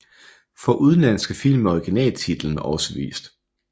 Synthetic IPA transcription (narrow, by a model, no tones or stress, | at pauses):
fɒ̽ʔuð̞ˠn̩læn̰sɡ̥əfil̰mɒiɡ̥inɛ̰ːlt͡sʰid̥l̩n̩ɒ̽səʋḭːsd̥